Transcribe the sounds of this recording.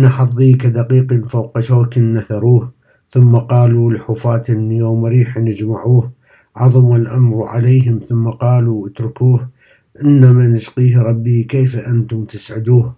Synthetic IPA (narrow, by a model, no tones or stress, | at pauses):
naħɑfðˤiːkad̪aqiːqinfawqaʃoːkɪnːaθaɾˤuːh | θʊmːaqɑːlulħuːfaːt̪ʔɪnːijoːmɾiːħanɪd͡ʒmaʕuːh | ʕɑðˤmalʔamɾˤʕa̰leːɦɪmθʊmːaqɑːluʔɪt̪ɾʊkuːh | ʔɪnːamanɪʃqiːhɾˤɑbːikeːfaʔant̪ʊmt̪ɪsʕɪd̪uːh